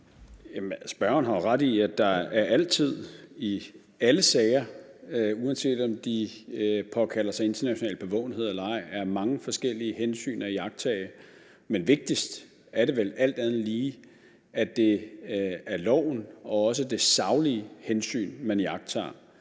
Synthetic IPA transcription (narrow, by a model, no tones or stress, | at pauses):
jæmsb̥ɶɐn̩ɦɑʁɑ̈diæd̥ɑ̈æɐʔæl̰t͡sʰið̞̰ˠi | æləsɛɪɐ | uænse̝̰ːd̥ɒ̽md̥ipʰɒ̽kʰæl̰ɐsɑ̈ɪe̝nd̥ɐnæɕo̝nɛ̰ːlb̥e̝ʋɔ̰̽ʊn̩he̝ð̞̰ˠelɐɑ̈ɪ̰æɐmɑ̈ŋəfɒ̽sɡ̥el̰iəhensy̰ːnɐijɑ̈ɡ̥̚t͡sʰɛɪ | menʋe̝ɡ̥̚d̥isd̥ | æɐɾe̝ʋelæl̰d̥ænð̞̩ˠliː | æd̥e̝ | æɐlɒʊ̰nɒ̽ɒ̽s̬əd̥e̝sɑ̈ʊlihensy̰ːnmænjɑ̈ɡ̥t͡sʰɑ̰̈ː